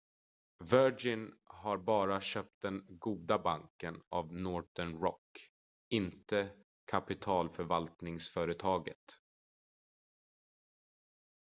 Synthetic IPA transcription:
vœd͡ʒɪnɦaɾbɑːɾaɕœːp̚t̪̚d̪ɛnɡuːd̪abaŋkəna̰vnɔʈəɳɾɔ̰kː | ɪnt̪ə | kʰapɪt̪ʰɑːlfœɾvalt̪nɪŋsfœːɾət̪ʰɑːɡə̰t̪

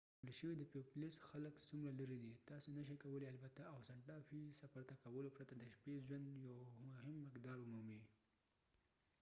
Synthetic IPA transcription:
əlʃəwid̪əpeplesxaləksumɾalaɾid̪it̪ɑsonaʃ̬akawəlealbat̪aawsaɳʈɑfisafaɾt̪akawəlopɾat̪ad̪əʃpezwand̪jawʊhɪmːɪkd̪ɑɾʊmumi

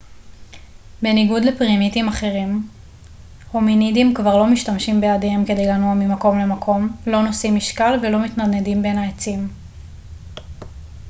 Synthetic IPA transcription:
be̞niɡudlepʁimitimaχe̞ʁim | hominidimkvaʁlo̞miʃtamʃimbeadeemke̞de̞jlanuamimako̞mle̞makʰo̞mlo̞no̞simiʃkalvelo̞mitnanedimbe̞naet͡sim

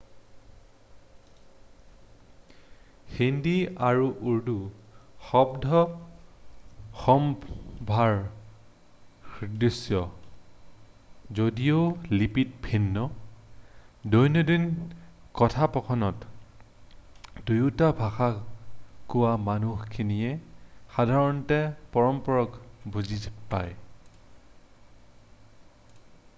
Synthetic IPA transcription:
xindiaɹuʔuɹduxɔbdʱɔ | xɔmbʱaɹ | xidisjɔ | zodijolipit̚bʰʱinːɔ | dɔjnɔdinkɔtʰapɔkʰɔnɔt | dujutabʱaxa | kʊwamanuxkʰinijɛxadʱaɹɔntɛpɔɹɔmpɔɹɔkbuzipa̰j

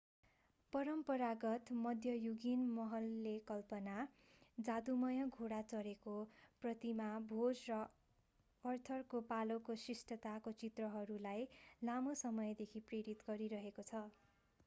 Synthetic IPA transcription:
pʌɾʌmpʌɾaɡʌt̪mʌd̪ʱjʌjuɡinmʌɦʌlːekʌlpʌna | d͡zad̪umʌjʌɡʱoɽat͡sʌɾekoprʌt̪imabʱod͡zrʌː | rt̪ʰʌrkopalokosisʈʌt̪akot͡sit̪rʌɦʌɾulajlamosʌmʌjd̪ekʰipreɾit̪ɡʌɾiɾʌɦekot͡sʰʌ

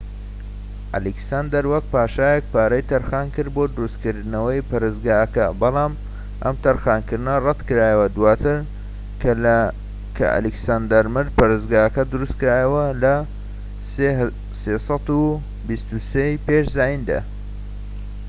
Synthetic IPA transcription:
ʔɐ̰liksaːnd̪ɐɾwɐk̚paːʃaːjek̚paːɾɐjt̪ʰɐɾxaːnkɨɾboːd̪ʊɾust̪kɨɾd̪ɨnɐwɐjpɐɾezɡaːɐkɐbɑlˠaːm | ʔɐ̰mt̪ɐɾxaːnkɨɾd̪nɐrˤɐt̪kɨɾaːjɐwɐd̪waːt̪ʰɨɾ | kʰɐ̰ʔɐ̰liksaːnd̪ɐɾmɨɾ̚pɐɾezɡaːɐkɐd̪ʊɾust̪̚kɨɾaːjɐwɐlɐ | se | sesˤɑt̪u | bist̪usejpeʃzaːjind̪a̰

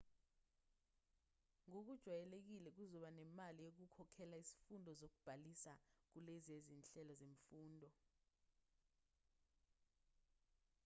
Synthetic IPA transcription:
ŋok̬ud̥ʒ̥ʱwajɛlek̬ilɛk̬uzɔɓanɛmalijok̬ukʰɔkʰɛlaizi̥fundʱɔzok̬ub̥ʱalisak̬ulezezint͡ɬʼɛlɔzeɱfuːndʱɔ

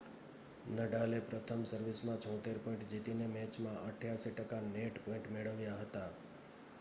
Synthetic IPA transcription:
nəɖalepɾət̪ʰəmsəɾʋismãt͡ʃʰɔ̃t̪eɾpɔĩɳʈd͡ʒit̪inemɛ̃t͡ʃmãʔəʈʰjaʃiʈəkaneʈpɔ̃ɪ̃ɳʈmeɭəʋjaɦət̪a

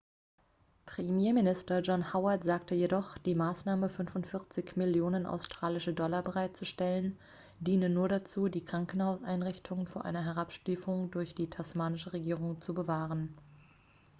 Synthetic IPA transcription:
pʁ̥emjeːɐmɪnɪstɐd͡ʒɔnhaʊɐtz̥aːk̚təjedɔχd̥iːmaːsnaːməfʏnfʊntfɪʁt͡sɪçmɪljoːnənʔa̰ʊstʁ̥aːlɪʃədɔlɐbəʁaɪt̚t͡suʃtɛlən | diːnənuːɐɾat͡suːdiːkʁ̥aŋkn̩haʊsʔaɪnʁɪçtʰʊŋfyːɐʔa̰ɪnɐɦɛʁ̞apʃtiːfʊŋdʊɐçd̥iːtʰasmaːnɪʃəʁeɡiːʁʊŋt͡subəvaːʁən

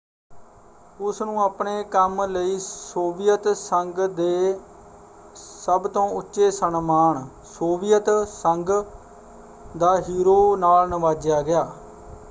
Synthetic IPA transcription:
ʊsnũːaːpɳeːkəmləiːsoːbɪjət̪səŋɡd̪eː | səbt̪õːʊtːʃeːsənmaːɳ | soːʋɪjət̪səŋɡ | d̪aːɦiːɾoːnaːlnəʋaːd͡ʒjaːɡɪjaː

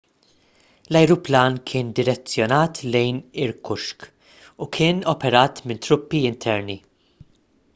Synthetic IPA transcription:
lɐjɾuplɐːnkʰɪːnd̪ɪɾɛt͡sːjɔnɐːt̪ʰlɛjnɪɾkʰʊʃk | ukʰɪːnɔpɛɾɐːt̪mɪnt̪ɾʊpːiɪnt̪ʰɛɾni

